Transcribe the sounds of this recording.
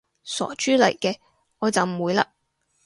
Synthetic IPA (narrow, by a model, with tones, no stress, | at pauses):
sɔ̰ː˨˩t͡ʃyː˥lɐ̰˨˩jkɛː˧ | ŋɔː˨˧t͡sɐ˨wm̩˨˩wuː˨˧jlaː˧